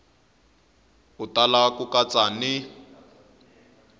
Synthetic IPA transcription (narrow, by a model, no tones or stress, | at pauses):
ʊtalakukʼat͡sʼanɪ